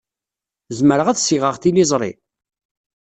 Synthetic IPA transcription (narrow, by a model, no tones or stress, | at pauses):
zməɾəʁæðsiʁəʁθilizˤɾˤḭ